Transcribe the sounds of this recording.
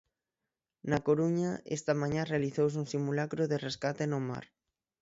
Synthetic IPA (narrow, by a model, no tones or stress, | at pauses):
nakoɾuɲaḛst̪amãɲãrealiθows̬uŋsimulakɾoðereskat̪enoma̰ɾ